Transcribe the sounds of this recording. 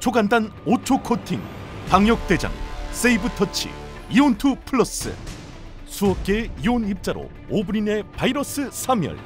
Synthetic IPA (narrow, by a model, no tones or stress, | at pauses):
t͡ɕʰoɡandanot͡ɕʰokʰotʰiŋ | paŋjʌk̚t͈e̞d͡ʑa̰ŋs͈eibɯtʰʌt͡ɕʰḭ | iontʰupʰuɭːʌs͈ɯ̰ | sʰuʌk͈eionip̚t͡ɕ͈aɾo̰ | obuɾine̞paiɾʌs͈ɯsʰamjʌ̰ɭ